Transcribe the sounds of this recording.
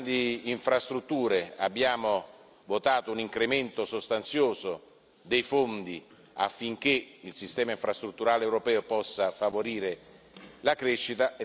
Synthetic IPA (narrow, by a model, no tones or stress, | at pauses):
d̪iːɱfɾast̪ɾut̪ːuːɾea̰bːjaːmo | vot̪aːt̪ouniŋkɾement̪osost̪ant̪sjoːzo | d̪ejfond̪i | a̰fːiŋk̟eilsist̪ɛːmaiɱfɾast̪ɾut̪ːuɾaːleɛːwɾopɛːopɔsːafavoɾiːɾe | lakɾeʃːit̪a